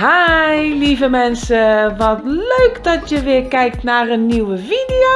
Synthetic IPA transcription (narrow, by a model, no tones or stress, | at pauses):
hajlivəmɛnsəʋɔtløːkdɔtjəʋɪəɹkɛjk̚tnarənːiwəfidio